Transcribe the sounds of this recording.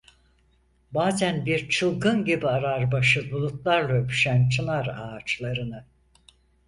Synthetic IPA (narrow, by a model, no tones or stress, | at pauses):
baːzænbiɾt͡ʃʰɯlˠɡɯnɟibiaɾaɾbaʃɯbulˠut̪lˠaɾlˠaøpʰy̥ʃænt͡ʃʰɯnˠaɾaːt͡ʃlˠaɾɯnɯ